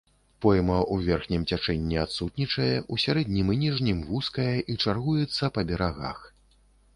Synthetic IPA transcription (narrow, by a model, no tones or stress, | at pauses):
pɔjmɐʔuvʲɛrxnʲimt͡sʲat͡ʂɛnʲːiat̪sut̪nʲit͡ʂɐjɛʔusʲaɾɛd̪ʲnʲimɨnʲiʐnʲimvuskɐjɐʔit͡ʂarɣujɛt̪sːɐpɐbʲɛɾaɣa̰x